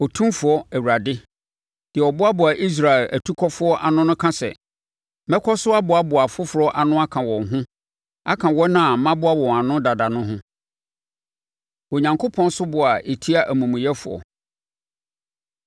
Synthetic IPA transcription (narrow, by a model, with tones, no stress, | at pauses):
ɔ˨tʰũ˦mfʊ˨ɔ˦æ˨wu˨ɾa˨dɪ˦ | d̥ɪ˨ɛ˨ɔ˨bʊ˦a˦bʊ˨a˨ʔi˦s̬ɾa˨ɛ˨ʔæ˨tʰu˦kʰɔ˦fʊ˦ɔ˦ʔa˨nʊ̃˦nʊ̃˦kʰã˦sɛ̰˨ | mɛ˦kʰɔ˦sʊ˦a˦bʊ˨a˨bʊ˨a˨fʊ˦fʊ˨ɾɔ˦ʔa˨nʊ̃˦a˦kʰã˨wɔ̃˨ŋɦʊ̃˦ | a̰˦kʰã˨wɔ˦nã˦a˨˦mã˦bʊ˦a˦wɔ̃˨a˨nʊ̃˦da˨da˨nʊ̃˦ɦʊ̃˦ | o˨ɲã˨ŋkʰo˦pʰɔ̃˦n˦sʊ˦bʊ˨a˨ʔe˨tʰi˦a˦ʔæ˨mũ˨mũ˨jɛ˦fʊ̰˨ɔ̰˨